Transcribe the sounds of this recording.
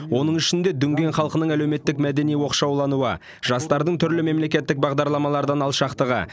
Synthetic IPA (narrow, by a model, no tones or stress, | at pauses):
wo̞nəɴʏʃɪnd̪e̞d̪ʏŋɡʲe̞nχɑlˠqənəɴælewme̞t̪ːɪkmæd̪e̞nijwo̞qʃɑwlˠɑnuə̰ | ʒ̥ɑst̪ɑɾd̪əɴt̪ʰʏɾlɪme̞mle̞kʲe̞t̪ːɪk̚bɑʁd̪ɑɾlˠɑmɑlˠɑɾd̪ɑnɑlˠʃɑqt̪əʁə̰